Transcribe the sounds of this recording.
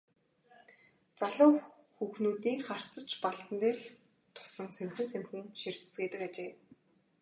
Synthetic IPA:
t͡saɮʊː | xuxnuːt̪iːŋχar̥t͡sə̆t͡ɕpaɮt̪ə̆nt̪eːrɮ | t̪ʰʊ̥sə̆ŋsemxɘ̆nsemxɘ̆ŋʃir̥t͡sɘ̥̆t͡sɡeːt̪ɘ̆kat͡ɕeː

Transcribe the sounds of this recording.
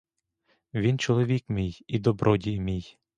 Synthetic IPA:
ʋʲint͡ʃɔlˠɔʋʲikmʲijid̪ɔbɾʔɔdʲijmʲij

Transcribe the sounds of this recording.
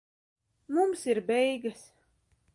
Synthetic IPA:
mumsiɾbɛjɡəs

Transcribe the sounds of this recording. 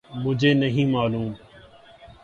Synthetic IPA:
mʊd͡ʒʱeːnəɦĩːmaːluːm

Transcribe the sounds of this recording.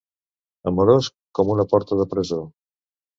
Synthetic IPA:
ɐmoɾos | komunɐpɔɾt̪ɐðəpɾezo

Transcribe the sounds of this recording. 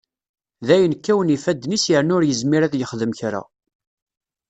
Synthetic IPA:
ðæjənkːæwənifæd̪ːnisjəʕnʊɾjəzmiɾæðjəχðəmçɾa̰

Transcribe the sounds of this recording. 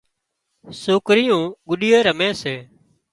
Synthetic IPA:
soːkɾɪjũːɠʊɗiːeːɾəmẽːseː

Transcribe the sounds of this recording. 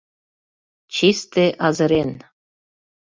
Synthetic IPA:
t͡ɕist̪eʔɑzə̆ɾen

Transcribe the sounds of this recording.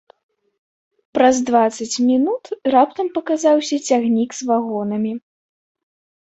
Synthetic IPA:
pɾɐzd̪vat̪sɐt͡sʲmʲinut̪rapt̪ɐmpɐkazawsʲɐt͡sʲaɣnʲiɡzvaɣɔnɐmʲi

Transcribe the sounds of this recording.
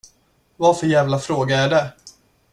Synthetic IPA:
vaɾfœɾjæːvlafɾoːɡaæɖɛ

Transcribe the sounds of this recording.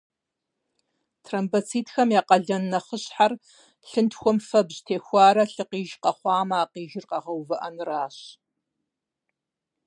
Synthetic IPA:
tʰrɐmbɐt͡sʰiːtxɐmjaːqɐɮɐnːɐχəɕħar | ɬɨntxʷɔmfɐbʑtʰeːxʷɑːɾɐɬɨqiːʒqɐχʷɑːmaːqiːʒɪrqɐʁɐwvɨʔɐnraːɕ

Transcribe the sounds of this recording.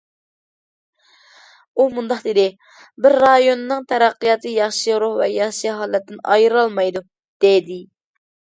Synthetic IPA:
umund̪ɑqd̪ed̪ɪ | bɪɾːɑjonɨnɨŋt̪ʰɛɾæqːɨjɑt̪ʰɨjɑχʃiɾoχvɛjɑχʃijɦɑːlˠɛt̪ːɪnɑ̰jɾɑlˠmɑjd̪u | d̪̥ed̪ɪ

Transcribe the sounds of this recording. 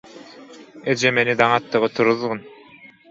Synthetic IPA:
ed͡ʒemenid̪ɑŋɑt̪ːɯʁɯt̪ʰuɾɯðʁɯn

